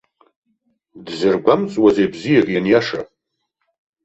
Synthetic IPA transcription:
dzɨrɡʷamt͡sʼwazejbzijaʁʲijanjaʂa

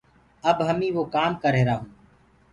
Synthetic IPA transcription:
əbɦəmĩːʋoːkaːmkəɾeːɾaːɦũː

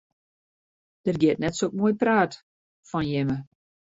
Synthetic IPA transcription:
d̥ərɡɪətnɛtsok̚moəjpraːt | fɔnjɪmə

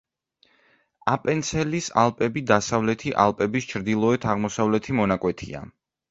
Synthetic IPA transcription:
apʼɛnt̪sʰɛlisalˠpʼɛbid̪asavlɛt̪ʰiʔalˠpʼɛbist͡ʃʰɾd̪ilˠɔɛt̪ʰaʁmɔsavlɛt̪ʰimɔnakʼwɛt̪ʰḭa̰

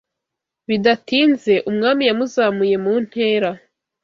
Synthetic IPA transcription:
βidatiːnze̞ʔumŋaːmijamuzaːmuje̞muːn̥he̞ːɾa

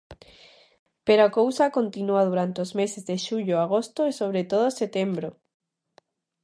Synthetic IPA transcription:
peɾoakowsakont̪inuað̞uɾant̪eozmesezðeʃuʎoaɣ̞ost̪oesoβ̞ɾet̪oð̞oset̪embɾo

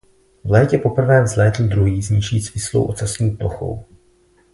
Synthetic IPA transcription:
vlɛːcɛpo̞pr̩vɛːvzlɛːt̪l̩d̪ɾuɦiːzɲɪʃiːsmɪslo̰wʔo̰t͡sasɲiːplo̰xo̞̰w

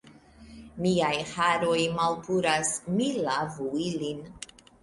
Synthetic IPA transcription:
miajhaɾo̞jmalpʰuɾasmilavuilin

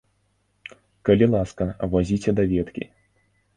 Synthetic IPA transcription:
kɐlʲilˠaskɐvɔzʲit͡sʲɛd̪ɐvʲɛt̪kʲḭ

